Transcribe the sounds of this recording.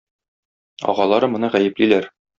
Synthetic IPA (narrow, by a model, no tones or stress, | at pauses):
ɒ̰ʁɑlˠɑɾɤmɤ̆nɤʁæjɘ̆plilæɾ